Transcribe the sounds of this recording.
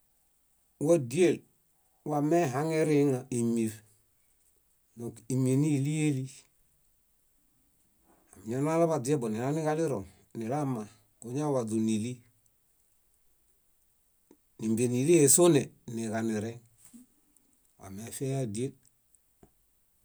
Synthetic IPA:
wo˦di˦e˦˨l | wa˨me˦ɦa˦ŋe˦ɾe˦ŋa˨i˨mi˨f | no˨ki˨mi˨ni˦li˦je˦li˦ | a˨m˨ɲa˦na˦la˦ba˨di˨e˦bo˨ni˨la˦ni˦ka˦li˦ɾo˨ŋ | ni˨la˦ma˨ | ko˨ɲa˦wa˨du˨ni˨li˦ | ni˨mbe˨ni˨li˦je˨so˦ne˨ni˨ka˨ni˨ɾe˦ŋ | wa̰˨me˨˦fe˦ja˦di˨˦e˦l

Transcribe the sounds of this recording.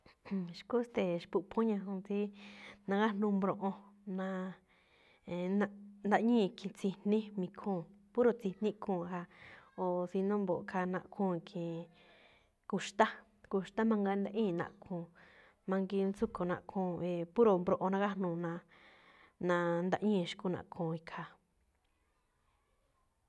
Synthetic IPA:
ʃku˦st̪e˨ʃpu˧pʰõ˦ɲã˧˨hũ˧t͡si˦nã˧ɡa˦nũ˧mbɾõ˧ʔõ˧nã˧ | e˧˨nã˧nd̪a˧˦ɲĩː˦˧˨kʰĩ˨t͡si˧n̥ĩ˦mĩ˧kʰũː˦˨pu˦ɾo˧t͡si˧nĩ˦kʰũː˦˧˨ɦa˧o˨si˧nõ˦mbo˨ʔkʰa˧nã˧ʔkʰũː˦˨kʰĩ˨ | ku˧ʃt̪a˦ | ku˧ʃt̪a˦mã˧ŋɡa˧nd̪a˧ʔĩː˦˨nã̰˧˨kʰũː˧˨ | mã˧ŋɡi˧nsu˦kʰo˨nã̰˧ʔkʰũː˦˨e˨pu˦ɾo˨mbɾõ˧ʔo˧nã˧ka˦nũ˧˨nã˧ | nã˧nd̪a̰˧ʔɲĩ˦˧ʃi̥˧ku˦nã̰˨kʰũː˨˧˨i˧kʰa˧

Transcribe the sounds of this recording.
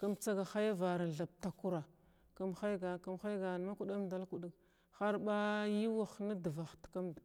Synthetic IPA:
ka˦mt͡sa˦ɡa˨xa˦ja˦va˨ɾa˨n˨ɮa˨b̚ta˨ku˦ɾa˨ | ka˦mxa˦jɡa˨ka˦mxa˦jɡa˨n˨ma˦ku˦˨ɗa˦mda˦lku˨di˦k | xa˦ɾba˦ji˦wa˨xna˦də˨va˨xtka˦md

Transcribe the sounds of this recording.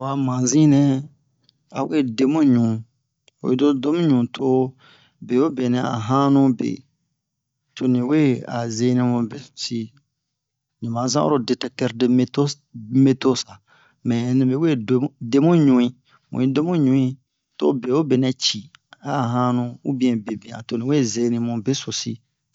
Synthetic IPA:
wa˨mã˨zĩ˦nɛ̃˦ | a˨we˦˨de˦mũ˦ɲũ˨ | o̰˨i˦do˦do˦mũ˦ɲũ˨tʰo˦ | be˨o˦be˨nɛ̃˨a̰˨ɦã˦nũ˦bḛ˨ | tʰo˨nĩ˨we˦a̰˨ze˧˦nɛ̃˧mũ˨be˦˨t͡ʃi˨ | nĩ˨mã˨˦zã˦o̰˦ɾo˦de˧tɛ˦k̚tɛ˧ɾde˨˦me˦to˦ | me˦to˦sa˨ | mɛ̃˨nĩ˨be˨we˦˨˦de˦mũ˦ɲũ˨ĩ˦ | mṵ̃˨ĩ˦de˦mũ˦ɲũ˨ĩ˦ | to̰˦be˨o˦be˨nɛ̃˨t͡ʃi˨a˦a˨ɦã˦nũ˧u˦bĩ˦ɛ̃˨be˨bĩ˨ã̰˨to˨nĩ˨we˦˨ze˧˦nĩ˧mũ˨be˦so˨si˦

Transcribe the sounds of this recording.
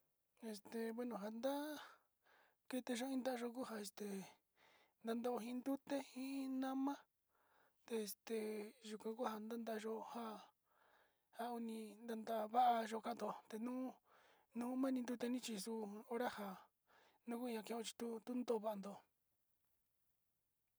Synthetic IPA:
e˧st̪e˨βe˦˧nõ˨ɦa˨nd̪a˦ | ke˧t̪e˧ʒo˧˦ĩ˦nd̪a˦ʔa˧ʒo˧k̬u˦ɦa˧e˧st̪e˨ | nd̪a˧nd̪o˧ʔo˧ɦĩ˧nd̪u˦t̪e˦hĩ˦nã˦mã˦ | t̪e˧e˧˨st̪e˧ʒu˧kʷã˧ku˦ha˧nd̪a˦nd̪a˧a˧ʒo˧ha˦ | ha˧u˧nĩ˧nd̪a˧nd̪a˧a˧βa˦ʔa˧ʒo˧ka˧˦nd̪o˧t̪e˧nũː˦ | nũː˦mã˦nĩ˧nd̪u˧t̪e˧nĩ˦t͡ʃi˧su˧o˧ɾa˦ha˧ | nũ˦ku˦˧ɲã˧kẽ˧õ˧t͡ʃi̥˧t̪u˦t̪u˦nd̪o˦˨˧βa˧a˧nd̪o˧

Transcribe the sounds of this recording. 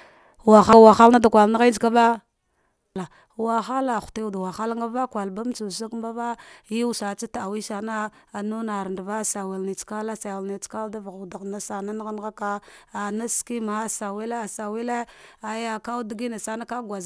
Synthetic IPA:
wa˨xa˦wa˨xa˦lna˦da˨kʷa˨lna˦ɣa˦d͡ʒka˦ba˦ | la˨ | wa˨xa˦la˨xu̥˨ti˦u˨dwa˨xa˦lŋɡa˦va˦kwa˨lba˦m˦t͡ʃu˨sa˦kmba˦va˦ji˦wu˦sa˨t͡sa˦ta˨a˨wi˦sa˨na˦a˨nu˦na˨ɾndva˦˨sa˨wi˨lni˨t͡ska˦la˦sa˨a˨lni˨t͡ska˦da˦vɣda˨ɣna˦sa˨na˦n˦ɣn˦ɣa˦ka˦a˨na˦ski˦ma˨˦sa˨wi˦le˦a˨sa˨wi˦le˦a˨ja˨ka˦u˦di˦ɡi˦na˨sa˨na˦ka˦ɡwa˨z

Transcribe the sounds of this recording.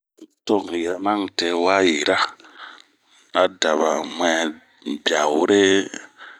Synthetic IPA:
to˦˨ŋ˨ji˨ɾa˦ma˦ŋte˨wa˦ji˨ɾa˦ | a˦da˨βa˨mwɛ˨ | bja˨wu˦ɾe˦

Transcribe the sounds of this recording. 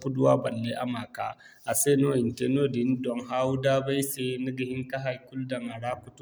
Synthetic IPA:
pu˦dʊ˦waː˦bɐ˨lːe˦ʔa̰˨maː˨ka̰ː˦ | ʔa˨seː˦noː˦ɪ˨nte˦noː˦dɪ˨n˦dɔ˨ŋɦaː˦wu˦daː˦ba˦jseː˦nɐ˦ɡɐ˨hɪ˦ŋka˦ɦa˨jkʊ˦ldɐ˨ŋa˨ɽaː˦kʷʊ˦tu˦

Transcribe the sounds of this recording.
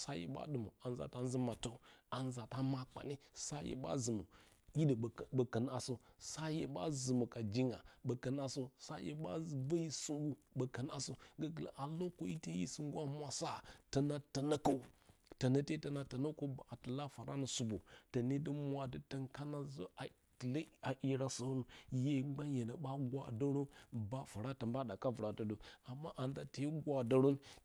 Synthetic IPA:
sa˦jḛ˨ɓa̰˦ɗɨ˨mṵ˨a˨n˦za̰˨ta˦n˦zi˦ma˨to˦a˨nza˨ta˦ma˦k͡pa̰˨ni˦sa˦jḛ˨ba̰˦zɨ˨mṵ˨ | ji˦də˨bə˨kə˨n˦a˨so˦sa˦jḛ˨ɓa̰˦zɨ˨mu˨ka˨d͡ʒi˦ŋa̰˨bə˨kə˨n˦a˦so˦sa˦jḛ˨ɓa̰˦˨bə˦ji˦su˦ŋɡu˦ | bə˨kə˨n˦a˦so˦ɡa˦ɡə˨la̰˨ʔa˨lo˦ko˦ji˦te˦jḭ˦su˦ŋ˦ɡʷa˦mʷ˦a˨sa˦˨ta˨na˦ta˨na˦ko˦u˨ta˨na˦te˦ta˨na˨ta˨na˦ko˦ba˨tə˨la˦fa˨ɾʔa˦na˨su˨bo̰˨ta˨ne˦də˦mʷ˦a˨də˨ta˦ŋka˦na˦zo̰˦a˨ | la˨ʔi˦ɾa˦sa˨˦nu˨je˦ŋ͡mɡ͡ba˦n˦je˨na˨ɓa˦ɡwa̰˨da˦ɾo˦ba˦fa˨ɾa˦tə˨mba˦da˨ka˦vu˨ɾa˨tə˨do˨a˨mːa˦ʔa˨nda˨ta˨˦i˦ɡwa˨da˦ɾo˦n

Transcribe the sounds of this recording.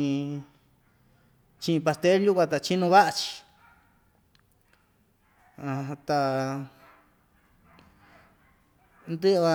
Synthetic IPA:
t͡ʃĩ˧ĩ˧pa˧st̪e˦lju˦kʷã˧t̪̬a˧˨˧t͡ʃi˦nũ˧βa˦ʔa˧t͡ʃi̥˧ | a˧t̪a˧ | nd̪ɨ˦ʔβa˧

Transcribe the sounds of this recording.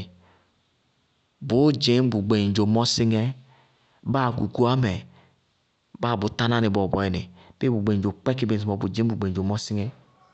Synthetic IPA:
bu˨˦d͡ʒi˨˦m˦bu˨ɡ͡be˨d͡ʒo˨mɔ˦si˦ŋɛ˦ | ba˦˨ɡu˨ɡu˦a˦mɛ˨ | ba˦˨bu˨ta˦na˦ni˨bo˨bɔ˨i˨ni˨b̥e˦bu˨ɡ͡be˨d͡ʒo˨k͡pɛ˦ki˦be˨i˨mɔ˨bu˨d͡ʒi˦bu˨ɡ͡be˨d͡ʒo˨mɔ˦si˦ŋɛ˦

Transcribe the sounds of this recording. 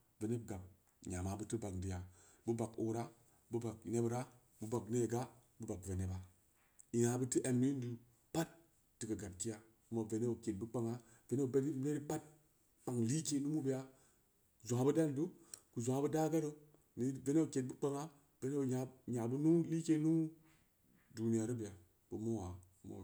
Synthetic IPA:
ve˨ne˦b̚ɡa˨m | ɲ˨a˨ma˨bu˦ti˦ba˨kdi˨ja˨ | bu˦ba˨ko̰˨ɾa˦ | bu˦ba˨kne˦bɾa˦ | bu˦ba˨kne˦˨ɡa˦bu˦ba˨kve˨ne˦ba˨ | i˨ŋa˨bɨ˦ti˦ʔe˨mni˦n˦du˨ | pa˦tː | i˨kə˨ɡa˨b̚ki˦ja˦ | ku˦ma˨ve˨ne˦o˨ke˨t̚bu˦k͡pa˦ŋa˦ | ve˨ne˦o˨be˦i˦ne˦ɾi˦pa˦t̚ | k͡pa˨ŋli˦ke˦nu˦mu˦bi˦ja˦˨ | zo˨a˨˦bɨ˦da˦n˨du˦ku˨zu˨a˨˦bu˦da˦ɡa˦ɾə˦ | ni˨˦ve˦ne˦o˨ke˨t̚bu˦k͡pa˦ŋa˦ | ve˨ne˦o˨a˨ɲa˨bu˦nu˦li˦ke˦nu˦ | du˨ni˨ja˨ɾi˦bi˨ja˨ | bu˨mo˦wa˨˦ | mo̰˨

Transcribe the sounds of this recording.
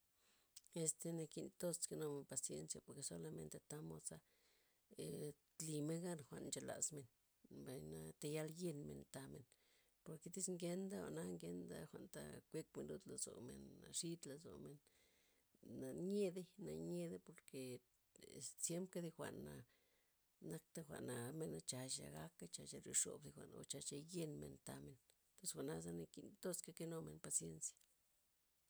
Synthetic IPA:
e˧st̪e˧na˧ki˧nt̪o˦ske˧no˧me˧npa˨sje˧nsja˧po˨ɾke˧so˦la˧me˧nt̪e˧t̪a˦mo˧sa˦ | e | li˧me˦nɡa˦nxʷa̰˧ʔnnt͡ʃa˨la̰˨zme˨n | ba˨jna˧t̪a˧ja˧lje˧nmḛ˨nt̪a˧me˨n | po˨ɾke˧t̪i˦sŋɡe˧˦nd̪a˦o̰˨na˦ŋɡe˧nd̪a˦xʷa˨ʔnt̪a̰˧kʷe˦k̚me˧nlu˧d̪la˧zo̰˨mḛ˧nːa˧ʂi˦t̪la˧zo̰˨me˨n | a˨ɲe˦d̪e˦na˧ɲe˧d̪e˦po˨ɾke˧ | ssje˦mp̚ka˦d̪i˧xʷa̰˨na˨ | na˦k̚t̪a˦˧xʷa̰˨na˨me˧na˧t͡ʃa˨˧ʃa̰˧ɡa˦kːa˦t͡ʃa˧ʃa˧ɾi˧ʂo̰˨bd̪i˧xʷa̰˨no̰˧t͡ʃa˧t͡ʃa˧je˧nmḛ˨nt̪a˧me˨n | t̪o˦sxʷa˧˨ʔna˦za˦na˧ki˧t̪o˦ska˦ke˧no˧me˨npa˧sje˦nsjḁ˨

